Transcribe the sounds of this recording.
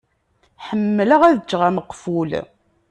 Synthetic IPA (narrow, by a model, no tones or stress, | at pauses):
ħəmːləʁæðət͡ʃːʁaməqːful